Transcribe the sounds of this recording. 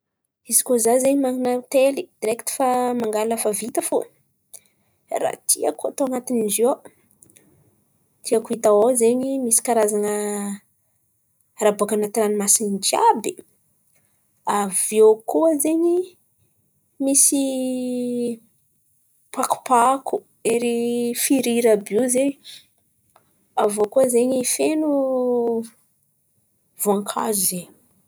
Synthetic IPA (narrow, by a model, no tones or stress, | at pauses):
izikozazeɲimaŋinat̪elid̪̥iɾekt̪i̥famaŋɡalafavit̪afo | ra̰t̪ʰia̰kuat̪oanat̪inizo | t̪ʰiakuit̪aozeɲimisi̥kaɾazanə | ɾabuakanat̪iɾanimasind͡ʒiabi | avokuəzeɲi | misi | paku̥paku̥ | eɾifiɾiɾəbizeɲi | avokuəzeɲifenu | voaŋkʰa̰zuzeɲi